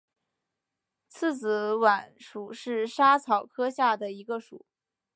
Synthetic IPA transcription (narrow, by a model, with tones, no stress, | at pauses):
t͡s̩ʰ˥˩t͡s̩ʰ˧˥wa˨˩˦nʂu˨˩ʂɻ̩˥˩ʂa˥t͡sʰɑ˨˩ʊkʰɤ˥ɕja˥˩d̪ə˩i˧˥ɡə˧ʂṵ˨˩˦